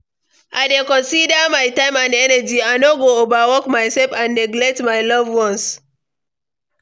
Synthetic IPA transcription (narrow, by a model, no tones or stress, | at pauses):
ʔajdekɔ̃nsidamajtãɪ̃mãnɛnad͡ʒiajnoɡoovawɔkmajsɛlfãnːɛɡlɛk̚tmajlʌvwɔ̃ns